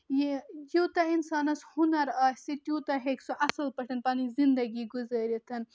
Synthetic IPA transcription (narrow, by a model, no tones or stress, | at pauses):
jjiwt̪ɐinsɑːnɐshʊnɐɾasiʈjuːt̪ɐɦeksuʔɐsɐlpɐʈɐnpanizind̪ɐɡiɡuzɐɾit̪ʰɐn